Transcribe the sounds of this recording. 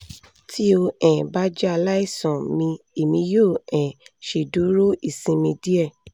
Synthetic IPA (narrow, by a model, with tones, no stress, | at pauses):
tʰi˦o˧ɛ̃˨ba˦d͡ʒɛ˦a˧la˦i˦˨sɔ̃˨mĩ˧e˨mĩ˨˧joː˦˨ɛ̃˨ʃe˨du˨˦ɾo˦i˦˨sĩ˧mĩ˧di˦ɛ˦˨